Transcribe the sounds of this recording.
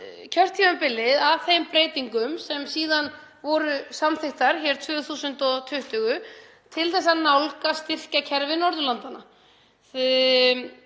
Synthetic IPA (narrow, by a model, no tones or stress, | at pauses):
cʰœr̥t̪ʰimapɪlːɪðavθejmpɾeːjt̪iŋkʏmsɛmsiːðan | vɔɾʏsamθɪht̪aɾ̥çɛɾ̥t̪ʰvʏːθuːsʏnt̪ɔt̪ʰʏht̪ʏɣʏ | t̪ʰɪlθɛsːanawlkast̪ɪr̥cacʰɛɾvɪnɔɾðʏlant̪ana | θ